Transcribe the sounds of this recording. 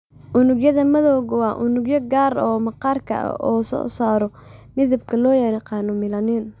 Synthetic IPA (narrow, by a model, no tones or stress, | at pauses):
ʔʊnʊɡjɐðɐmɐðɔːɣwɑːʔʊnʊɡjɔɡaːɾɔːmɐqɑːrkʰɐ̰ʔɐ̰ɔːsɔ̰ːsaːɾɔmɪðɐbkʰɐlɔːjɛɾɐqɑːnɔmɪlɐnɛn